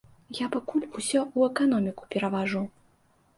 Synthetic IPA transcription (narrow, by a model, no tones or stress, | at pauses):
japakulʲusʲɔuɛkanɔmʲiku̥pʲɛɾɐvaʐu